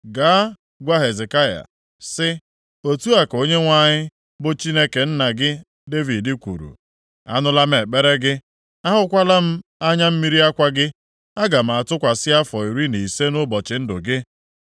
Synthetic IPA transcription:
ɡaː˨˦ | ɡʷa˦ɦe˨ze˨ka˦ja̰˨ | sɪ˦ | o˦tu˦a˨ko˦ɲe˦ŋʷa˦ɲɪ˦ | bʊ˦t͡ʃi˦ne˦ke˨n̩˦na˨ɡɪ˦ | de˦vi˨dɪ˦kʷṵ˨ɾṵ˨ | a̰˦nʊ˦la˦m̩˦e˨k͡pe˦ɾe˦ɡɪ˦ | a˦ɦʊ˦kʷa˦la˦m̩˦a˦ɲa˦m̩˦mi˦ɾi˦a˦kʷa˦ɡɪ˦ | a˦ɡa˨m̩˨a˨tʊ˦kʷa˨sɪ˦a˦fɔ˨i˨ɾi˦ni˨se˦nʊ˦bɔ˨t͡ʃɪ˨n̩˦dʊ̰˨ɡɪ˦

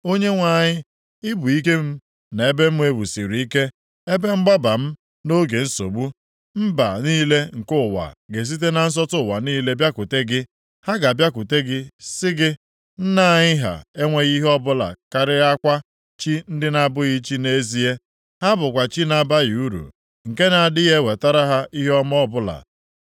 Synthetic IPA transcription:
o˦ɲe˦ŋʷa˨ɲɪ˦ | ɪ˦bu˨i˦ke˦m̩˦ | na˨e˦be˦m̩˦m˦e˦bu˨si˨ɾu˨i˦ke˦ | e˦be˦ŋ͡m̩˦ɡ͡ba˦ba˨m̩˦ | no˦ɡe˨n̩˦so̰˨bu˦ | m̩˦ba̰˨niː˦le˦ŋ̩˨kʊ˦˨wa̰˨ɡe˨s̬i˦t̬e˦na˨n̩˦s̬ɔ˦tʊ˦˨wa̰˨niː˦le˦bja˦ku˨te˦ɡɪ˦ | ha˦ɡa˨bja˦ku˨te˦ɡɪ˦sɪ˦ɡɪ˦ | n̩˦na˦˨ɲɪ˦ɦa̰˨e˦ŋʷe˦ɣi˦ɦɔ˦bʊ˦la̰˨ka˨ɾɪ˦a˦kʷa˦ | t͡ʃi˦n̩˦dɪ˦na˨bʊ˦ɣi˦t͡ʃi˦ne˦zi˦e˦ | ha˦bʊ˨kʷa˨t͡ʃi˦na˨ba˦ɣi˨u˦ɾṵ˨ | ŋ̩˨ke˦na˨a˨dɪ˦ɣe˦we˨ta˦ɾa˦ɦa˦ʔi˦ɦɔ˦m˦ɔ˦bʊ˦la̰˨

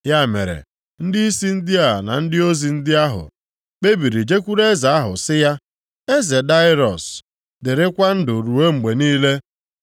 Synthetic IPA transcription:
ja˦˨mḛ˨ɾḛ˨ | n̩˦dɪ˦i˦si˦n̩˦dɪ˦a˨na̰˨n̩˦dɪ˦o˦zi˨n̩˦dɪ˦a˦ɦʊ̰˨ | k͡pe˦bi˨ɾi˨d͡ʒe˦kʷu˦ɾe˦za˨a˦ɦʊ̰˨sɪ˦ja˦ | e˦ze˨da˦ɪ˦ɾɔ˨s | dɪ˨ɾɪ˦kʷa˦n̩˦dʊ˨ɾu˨we˦ŋ͡m̩˨ɡ͡be˨niː˦le˦

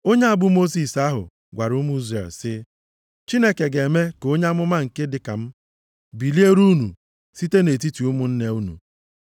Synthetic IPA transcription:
o˦ɲe˦a˦bʊ˦mo˦s̬i˨sa˦ɦʊ̰˨ | ɡʷa˨ɾʊ˦m˦i˦zɾḛ˨lsɪ˦ | t͡ʃi˦ne˦ke˨ɡe˨me˦ko˦ɲe˦a˦mʊ˦ma˦ŋ̩˨ke˦dɪ˨ka̰˨m̩˦ | bi˨li˦e˦ɾu˦nṵ˨ | si˦te˦ne˨ti˦ti˨u˦mʊ˨n̩˦ne˦u˦nṵ˨

